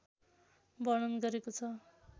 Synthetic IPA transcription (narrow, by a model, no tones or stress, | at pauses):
bʌɽ̃ʌnɡʌɾekot͡sʰʌ